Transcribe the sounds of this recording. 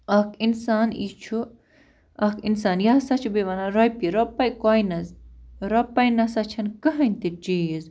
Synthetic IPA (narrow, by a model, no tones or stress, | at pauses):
ɐkʰinsaːnḭt͡ʃʰu | ɐkʰinsaːnjasɐt͡ʃʰubeʋɐnaɾojpiɾopːɐjkojnɐzɾɐpɐjnɐsɐt͡ʃʰɐnkɐɦɐnʲt̪it͡ʃijiz